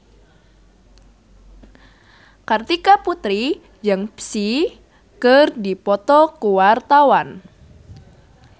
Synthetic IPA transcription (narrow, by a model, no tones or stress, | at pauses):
kart̪ikaput̪ɾi | jəŋpsi | kɨrdipɔt̪ɔkuwart̪awan